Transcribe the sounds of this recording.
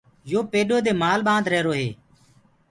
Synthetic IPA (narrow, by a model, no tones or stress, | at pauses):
joːpeːɗoːd̪eːmaːlɓãːnd̪ɾɛːɾoːɦeː